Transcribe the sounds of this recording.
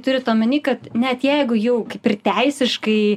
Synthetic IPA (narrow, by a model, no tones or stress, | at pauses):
t̪ʊɾʲɪt̪oːmʲɪnʲiːkɐt̪nʲɛt̪jɛɪɡʊjɛʊkɐɪpɪrt̪ʲɛɪsʲɪʃkɐɪ